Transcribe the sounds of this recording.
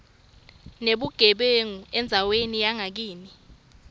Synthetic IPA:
neɓuɡ̥ʱɛɓeŋuɛnd͡zʱawenijaŋak̬iːni

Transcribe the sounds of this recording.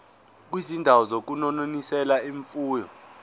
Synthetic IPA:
k̬wizindʱawɔzok̬unɔnonisɛlaiɱfuːjɔ

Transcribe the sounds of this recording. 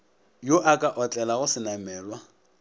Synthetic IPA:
joʔakʼaʔɔt͡ɬʼɛlaɣʊsɪnamɛːlwa

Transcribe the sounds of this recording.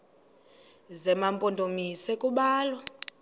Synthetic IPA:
zɛmampʼondʱomisɛkʼuɓaːlwa

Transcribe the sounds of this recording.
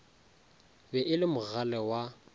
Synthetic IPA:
bɛʔɪlɪmʊɣalɛwa

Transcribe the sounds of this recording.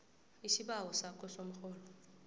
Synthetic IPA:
isiɓawɔsakʰɔsom̩xɔːlɔ

